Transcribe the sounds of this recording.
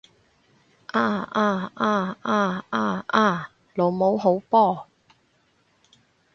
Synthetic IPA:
ʔaː˥˩ʔaː˥˩ʔaː˥˩ʔaː˥˩aː˥˩ʔaː˥˩ | lo˨˥wmo˨˥wɦo˨˥wpɔː˥˨

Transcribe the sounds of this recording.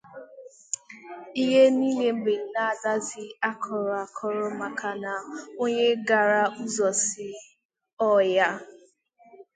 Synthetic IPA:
i˦ɦe˦niː˦le˦m̩˦ɡ͡be˨n̩˨˦na˦˨da˦zɪ˦a˦kʰɔ˨ɾɔ˨a˨kʰɔ˦ɾɔ˦ma˨kʰa˨na˨o˦ɲe˦ɡa˨ɾa˦u˦zɔ˨sɪ˨ | ɔ˦ja˦

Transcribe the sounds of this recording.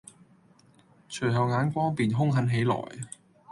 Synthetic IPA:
t͡ʃʰɵ˨˩jɦɐ˨wŋaː˨˥nkʷɔː˥piː˨nɦʊ˥ŋɦɐ˨˥nɦe˨˥jlɔ̰ː˨˩j

